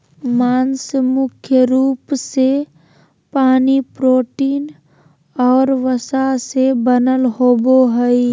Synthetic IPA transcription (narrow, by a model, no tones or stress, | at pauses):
maːnsmʊkʰjəɾuːpse | paːnipɾoːʈiːn | ɔːɾʋəsasebənəlɦoːboɦəi